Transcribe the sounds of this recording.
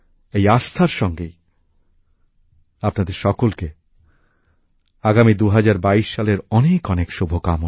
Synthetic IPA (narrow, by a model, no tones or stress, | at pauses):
ejast̪ʰaɾʃɔŋɡej | apnad̪eɾʃɔkolke | aɡamid̪uɦad͡ʑaɾbaiʃʃaleɾɔnekɔnekʃubʱokamo